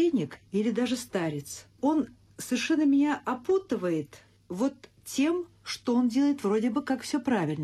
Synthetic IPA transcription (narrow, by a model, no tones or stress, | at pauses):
enʲɪkilʲɪd̪aʐɨst̪aɾʲɪt̪s | o̞n | səvʲɪrʂɛnːəmʲɪnʲaʔɐput̪ɨvəjɪt̪ | vo̞t̪ | tʲːe̞m | ʂt̪oo̞ndʲe̞lˠəjɪt̪vro̞dʲɪbɨkakfsʲɵpɾavʲɪlʲnə